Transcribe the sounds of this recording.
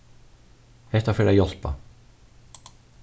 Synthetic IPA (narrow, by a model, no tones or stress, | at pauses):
hɛht̪afɛːɾʔajɔl̥pa̰